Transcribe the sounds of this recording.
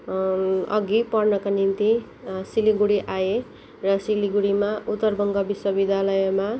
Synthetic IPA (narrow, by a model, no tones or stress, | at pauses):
ʌ̰ɡipʌrnʌkanint̪i | siliɡuɽiʔaje | rʌsiliɡuɽimaʔut̪ːʌrbʌŋɡʌbiswʌbid̪ʱjalʌjʌma